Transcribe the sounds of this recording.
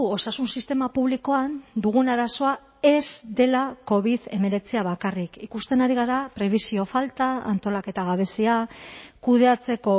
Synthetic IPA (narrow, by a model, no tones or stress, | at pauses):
o̞sasunsist̪e̞mapuβliko̞and̪uɣ̞unaɾaso̞a | e̞zd̪e̞lako̞β̞iðe̞me̞ɾe̞t͡siaβ̞akarikikust̪e̞naɾiɣ̞aɾapɾe̞β̞isio̞falt̪aa̰nt̪o̞lake̞t̪aɣ̞aβ̞e̞siakuð̞e̞at͡se̞ko̞